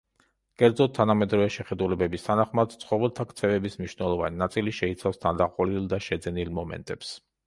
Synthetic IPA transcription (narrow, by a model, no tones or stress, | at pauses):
kʼɛɾd̪zɔd̪̚t̪ʰːanamɛd̪ɾɔvɛʃɛχɛd̪ulɛbɛbist̪ʰanaχmad̪̥t̪sʰχɔvɛlˠt̪ʰakʰt̪sʰɛvɛbismniʃnɛlˠɔva̰ninat̪sʼiliʃɛit̪sʰafst̪ʰand̪aqʼɔlilˠd̪aʃɛd̪zɛnilˠmɔmɛ̰nt̪ʼɛps